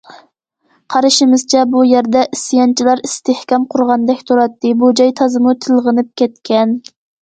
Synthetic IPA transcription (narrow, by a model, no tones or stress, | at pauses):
qʰɑɾɨʃɪmɨz̥t͡ʃʰɛbujæɾd̪ɛʔisɨjɑnt͡ʃʰilˠɑɾist̪ehkʲɑmqʰʊɾʁɑnd̪ɛkʲt̪ʰoɾɑt̪ːɨbud͡ʒɑjt̪ʰɑzɨmut̪ʰɨlˠʁənɨp̚kʲɛt̪kʲɛn